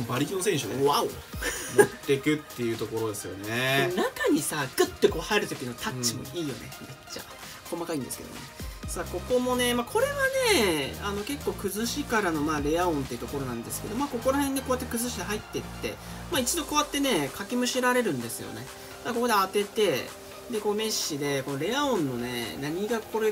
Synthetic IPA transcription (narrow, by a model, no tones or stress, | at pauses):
baɾʲikʲinosẽɕɨd̪eaomt̪ːe̞kɯ̟t̪ːe̞jɯ̟t̪o̞ko̞ɾo̞d̪e̞sɨjo̞̰neenakaɲ̟isaɡɯt̪ːe̞ko̞ːhaeɾɯ̟t̪o̞kʲino̞t̪ʰat͡ɕːimo̞̰iːjo̞̰ne̞me̞t͡ɕːa̰ | ko̞makaĩnd̪e̞sɨ̥kḛd̪o̰mo̰nesaːko̞ko̞mo̞ne̞makʰo̞ɾe̞βane̞ano̞ke̞kːo̞ːkɯ̟zɨɕikaɾano̞maːɾe̞aõ̞nt̪e̞iɯ̟t̪o̞ko̞ɾo̞nãnd̪e̞sɨ̥ke̞d̪o̞maːko̞ko̞ɾahẽ̞nd̪eko̞at̪ːe̞kɯ̟zɨɕid̪eɦait̪ːe̞t̪ːe̞̰mait͡ɕid̪o̞ko̞βat̪ːe̞ne̞kʰakʲimɯ̟ɕiɾaɾe̞ɾɯ̟̃nd̪e̞sɨjo̞̰ne̞̰ | mako̞ko̞d̪eat̪e̞t̪e̞ | d̪e̞ko̞ːme̞ɕːid̪e̞ko̞no̞ɾe̞aõ̞nːo̞ne̞naɲ̟iɡakoɾe